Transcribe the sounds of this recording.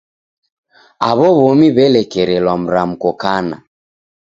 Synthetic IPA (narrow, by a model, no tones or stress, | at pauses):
aβɔβɔmiβɛlɛkɛɾɛlwam̩ɾam̩kɔkana̰